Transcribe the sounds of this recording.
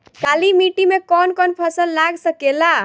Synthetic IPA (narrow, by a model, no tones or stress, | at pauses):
kalimiʈimekɔnkɔnpʰəsəlːaɡsəkela